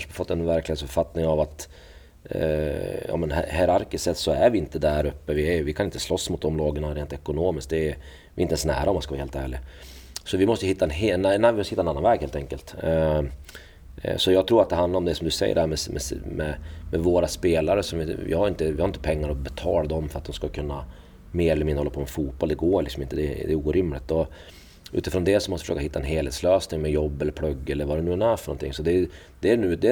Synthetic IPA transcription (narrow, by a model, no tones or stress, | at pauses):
nʂəfɔt̪ːɛnvæɾklɪɡasœpfat̪ːnɪŋavat̪ | jɑ̰ːmɛnhɛɾaɾkɪsɛt̪ːsɔæɾvɪɪnt̪əd̪æɾɵpːəvɪævɪkʰanɪnt̪ːəslɔsːmʊt̪̚d̪ɔmlɑːɡəɳaɾeːnt̪ɛkʊnoːmɪsk̚t̚d̪ɛ | vɪɪnt̪ɛnsnæ̰ːɾaɔmanskavːheːlt̪æ̰ːɭɪɡ | sɔvɪmɔst̪əjəhɪt̪ːaɛnɦnnvɪmɔst̪hɪtːɛnanːanvɛːɡheːlt̪ʰɛŋkəlt̪ | sɔjɑːɡ̚t̪ʰɾuːɾat̪̚d̪ɛɦand̪laɾɔmd̪ɛsɔmd̪ɵsɛ̰jːə̰ɖhæːɾmɛsmɛ̰smɛmɛvoːɾaspeːlaɾəsɔmvɪɪ̰haɾɪnt̪əvɪhaɾɪnt̪əpʰɛŋːaɾɔbɛt̪ʰɑ̰ːlad̪ɔmfœɾat̪̚d̪ɔmskakʰɵnːa | meːɾɛləmɪnːəhɔlːapʰɔmɛfuːt̪̚b̥ɔld̪ɛɡoːɭɪksɔmɪnt̪əd̪ɛd̪ɛ̰uːɾʏmlɪt̪ːɔ | ʔʉ̰ːt̪ɪfɾɔnd̪ɛsɔmɔst̪vfʂøːkaɦɪt̪ːaɛnɦeːlheːt̪sløːsnɪŋmɛjɔbːɛlːəɾpʰlɵɡːɛlːəɾvaɾɛnʉːnæːɾfœɳɔ̰nt̪ʰɪ̰ŋːsɔd̪ɛ | d̪̥ɛænʉ̟ːd̪ɛ